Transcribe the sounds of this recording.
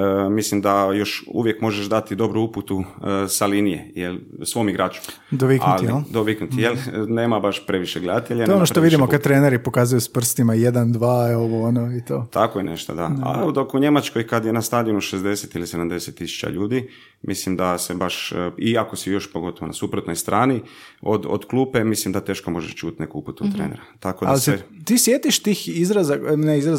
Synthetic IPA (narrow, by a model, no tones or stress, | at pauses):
əmislimd̪ajo̞ʃṵʋjekmo̞ʒeʃd̪at̪id̪o̞bɾuuput̪usalinijḛjelsʋo̞ːmiɡɾaːt͡ʃu̥ | d̪oʋikanulijield̪oʋiknut̪ijelneːmabaʃpɾe̞ʋiʃeɡled̪at̪eʎaeonoʃt̪oʋid̪imokkad̪t̪ːɾeːneɾipo̞kaːzujuspr̩st̪imajed̪and̪ʋaːoʋoonoit̪o̰t̪ʰakojeneʃt̪o̰d̪aa̰lud̪okuɲe̞mat͡ʃkojkad̪jenast̪aːd̪ionuʃezd̪e̞set̪ilised̪amd̪eset̪ːisu̥t͡ʃa̰ʎuːd̪i | mʔislimd̪asebaʃiako̞sijo̞ʃpoɡo̞t̪oʋonasupɾot̪no̞jst̪ɾʔaːni | od̪o̰d̪klˠuːpe̞mislimd̪at̪e̞ːʃkomo̞ʒḛʃt͡ʃut̪nekuput̪ut̪ːɾeːnḛɾat̪akod̪alseet̪iːsjeːt̪iʃt̪iːxizɾazaneizɾaz